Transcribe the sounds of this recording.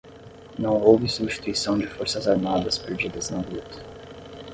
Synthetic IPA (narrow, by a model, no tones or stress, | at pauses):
nɐ̃w̃owvɪsubisʃt͡ʃi̥t̪uisɐ̃w̃d͡ʒɪfoɾsɐzaɾmad̪ɐspeɾd͡ʒid̪ɐznɐ̃ɡɾut̪ɐ̥